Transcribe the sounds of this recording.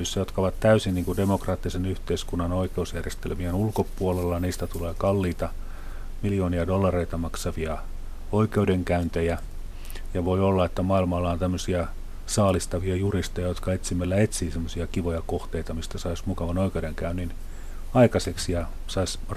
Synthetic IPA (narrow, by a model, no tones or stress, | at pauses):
ysːæjot̪kɑoʋɑt̪t̪æysinniːŋkudemokrɑːt̪ːisenyht̪eiskunːɑnoikeusjærjest̪ḛlmiɑnulkopuolelːɑniːst̪æt̪uleːkɑlːiːt̪ɑ | miljoːniɑdolːɑreit̪ɑmɑksɑʋiɑ | oikeudeŋkæynt̪ejæ | jɑʋoiolːɑet̪ːæmɑilmɑlːɑont̪æmːøsiɑ | sɑːlist̪ɑʋiɑjurist̪ojɑjot̪kɑet̪simːelːæet̪siːsemːosiɑkiʋojɑkoht̪eit̪ɑmist̪æsɑismukɑʋɑnoikeudeŋkæynːin | ɑikɑseksiɑ | sɑis